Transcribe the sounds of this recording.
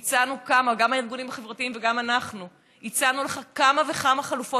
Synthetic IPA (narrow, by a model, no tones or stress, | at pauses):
t͡sanukamaɡamhaiʁɡunimhaχe̞vʁat̪iimveɡamanaχnu | it͡sanuleχakamaveχamaχalufo̞